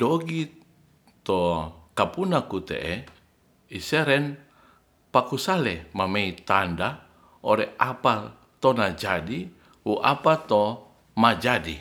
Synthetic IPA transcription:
doɡi | t̪okapunakut̪ḛʔe | iseɾɛn | pakusalɛmameit̪anda | oɾɛapa | t̪onad͡ʒadi | uʔa̰pat̪o | mad͡ʒadi

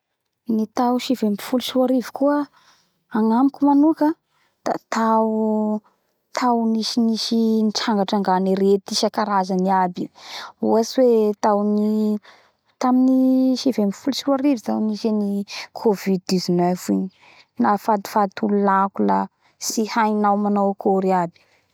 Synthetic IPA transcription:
nit̪awʃivempi̥fuluʃiaɾivi̥kuə | aŋamikʲumanukə | d̪̥a̰t̪ʰau | t̪ʰawniʃiniʃinʈ͡ʂaŋɡaʈ͡ʂaŋɡaniɾet̪iʃakaɾazaniabiuaswet̪awni | t̪aminiʃivemifulsiuwaɾivit̪awniʃenikʰovid̪̚d̪izanɛfiɲi | nafad̪i̥fat̪ululakula̰ | sihajnawmanawkʰoɾiabi̥

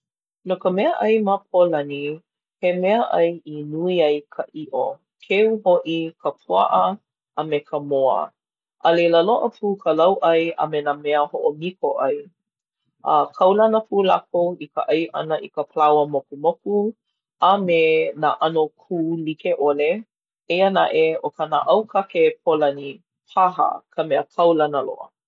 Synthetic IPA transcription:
nokəmɛəʔɐjmapʰolɐni | hemɛəʔɐjinuiɐjkʰəʔiʔo | kʰeuhoʔikʰəpʰua̰ʔə | ʔamekʰəmoə̰ | ʔɐleləloʔəpʰuːkʰəlɐwʔɐja̰menamɛəhoʔomikoʔɐj | ʔakʰɐwlɐnəpʰuːlakowikəʔɐjʔɐ̰nəʔikəpʰəlawəmokumoku | amenaːʔanokʰuːlikeʔole | eəna̰ʔeokana̰ʔɐwkʰakep̚ʰolɐni | pʰaɦɐ̰kʰəmeəkʰɐwlɐnəlo̰ʔə̰

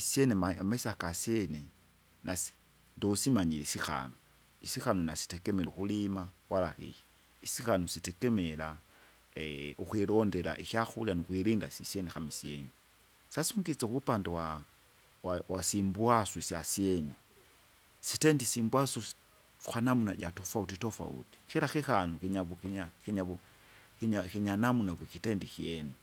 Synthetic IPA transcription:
isjenemamesakasje̞ne | nʔas | ndousimaɲilesixa̰no | isixanonasi̥tekemeluxulimawalaxḭji | isixanositekemela | uxwilo̞nde̞la̰ʔiʃjaxulianuxwiɾiːnda̰sisjenexamisjeːni | sasuŋɡit͡sexuβupandawa | wawasimbwasusjasjeɲi | sitendisimbwasu | uxanamunaɟatofautitofa̰ṵti̥xiɾaxixanukiɲaβuiɲaxiɲaβu | xiɲaxiɲanamunaβikitendixjeni

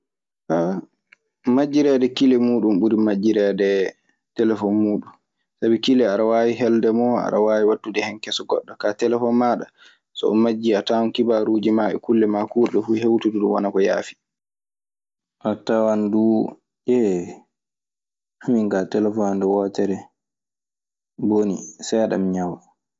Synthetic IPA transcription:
ka | mad͡ʒːiɾɛdɛkilɛmuːɗunɓuɾimad͡ʒːiɾɛdɛ | tɛlɛfɔnmuːɗun | sabikilɛaɗawaːwiɦɛldɛmɔa̰ɗa̰wawiwatːudɛhɛnkɛsɔɡɔ̰ɗːɔkatɛlɛfɔnmaːɗa | sɔ̰ɔ̰mad͡ʒːiatawɔnkibaɾud͡ʒimaɓɛ̰kulːɛmakuɾɗɔfuɦewtuduɗumwa̰nakɔja̰ːfi̥ | ʔatawandu | ʔɛ | amiŋɡatɛlɛfɔndɛwɔːtɛɾɛ | bonḭsɛaɗa̰mɲaw

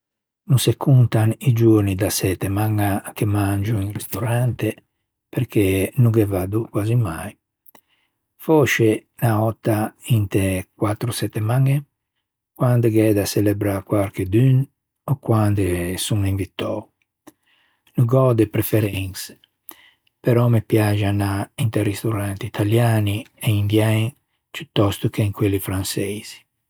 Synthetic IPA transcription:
nusekːunt̪anid͡ʒuɾnid̪asɛt̪ːemaŋːakemand͡ʒuiŋrɛst̪oɾant̪e | peɾkʰenuɡɛvad̪ukwazimaj | fɔʃe | naɔt̪ːaint̪ekwat̪ːɾusɛt̪ːɛmaŋːe | kwand̪eɡɛd̪aselɛbɾakwaɾked̪yn | ɔkwand̪esuŋiɱvit̪ːɔu | nuɡɔd̪epɾefɛɾɛŋs | peɾɔmepjad͡ʒanaint̪eɾist̪uɾant̪it̪ʰaljaːnieind̪jajŋ | put̪ːɔst̪ukeiŋkwelːifɾansɛjz̥i̥

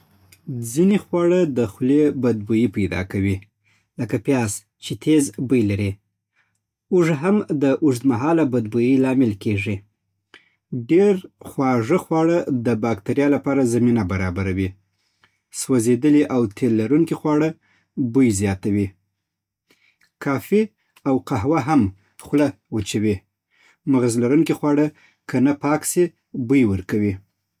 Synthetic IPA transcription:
d͡zinexwɑɽəd̪əxlebad̪̚bujipajd̪ɑ̰kawi | ləkapjɑs | t͡ʃet̪ʰezbəjlaɾi | uʐɦamd̪əʔuʐd̪maɦɑlabad̪̚bujilɑmɪlkeʐi | ɖeɾxwɑʐəxwɑɽəd̪əbɑkt̪aɾjɑlapɑɾazaminabaɾɑbaɾawi | swazed̪əliʔawt̪ʰelːaɾuŋkixwɑɽə | bujzjɑt̪awi | kɑfi | awqaɦwaɦam | xwlawət͡ʃawi | maɣazlaɾuŋkixwɑɽə | kʰənapɑkse | bujwəɾkawi

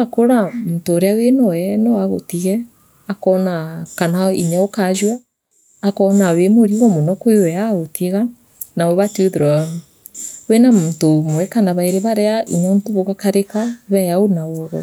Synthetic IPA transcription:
akoɾamuntoːɾeawenɔɛnɔwaɣo̰tiɣɛ | akɔnakanaiɲaokaʒwaː | kɔnawemoɾiɣɔmonɔkwewɛaɣotiɣa | nawɛβatioðeɾaau | wenamutomowɛkanaβaeɾeβaɾeaʔiɲantoβoɣakaɾekaβɛjaonaoɾɔ̰

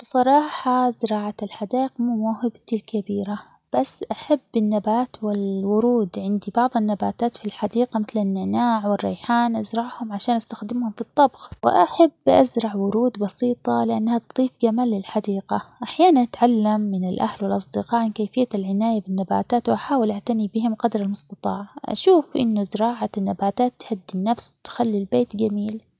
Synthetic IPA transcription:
b̥ɨsˤɑɾˤɑːħɑzɪɾˤɑːʕaɪlħad̪aːʔɪqmuːmahɪbt̪ɪlkabiːɾa | b̥asːʔaħabːɪnːabaːt̪wɪlwʊɾuːd̪ʕɪnd̪ibɑʕðˤɪnːabaːt̪aːt̪filħad̪iːqamɪθlɪnːɪʕnaːʕwɪrːɑ̰jħaːnʔazɾˤɑʕhʊmʕaʃaːnʔast̪axd̪ɪmhʊmfit̪ˤːɑbɣwɪ̰ʔaħabːʔazɾˤɑʕwʊɾuːd̪bɑsiːt̪ˤɑlɪʔanːhat̪ðˤiːfɡamaːlːɪlħad̪iːqaʔaħjaːnanʔat̪ʕalːamːɪnɪlʔahlwɪlʔɑsˤd̪ɪqɑːʕankaːfɪjːalʕɪnaːjabɪnːaba̰ːt̪aːt̪wʔaħaːwɪlʔaʕt̪anibɪhɪmqɑd̪ɾˤalmʊst̪ɑt̪ˤɑːʕʔa̰ʃuːfʔɪ̰nːʊzɪɾɑːʕanːabaːt̪aːt̪ːhad̪ːinːafst̪xalːilbeːt̪ɡamiːl

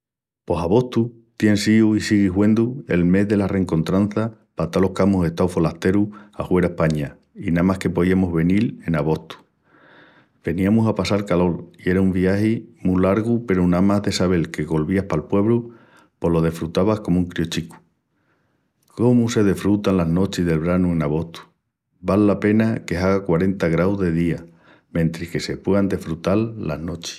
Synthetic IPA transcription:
po̞saβo̞ht̪u | t̪je̞nsiuisiɣiɦwẽ̞nd̪ue̞lme̞zðe̞lare̞ŋko̞nt̪ɾanθa | pat̪alo̞hkamose̞ht̪awfo̞laht̪e̞ɾuahwe̞ɾahpaɲa | inamahke̞poðiamoɦβe̞nile̞naβ̞o̞ht̪u̥ | b̥e̞niamusapasalkalo̞ɾie̞ɾaumbiahimulaɾɣupe̞ɾonamaɦðe̞saβ̞e̞lke̞ɣo̞lβiahpalpwe̞βlu | po̞lo̞ð̞e̞fɾut̪aβahko̞mũŋkɾjot͡ʃiku̥ | ko̞muse̞ðe̞fɾut̪anlaɦno̞t͡ʃiɦðe̞lβɾanuẽ̞naβ̞o̞ht̪u̥ | balːape̞nake̞ɦaɣakwaɾe̞nt̪aɣɾawzðe̞ðia | mẽnt̪ɾihke̞se̞pwe̞and̪e̞fɾut̪alːa̰ɦnot͡ʃe̥

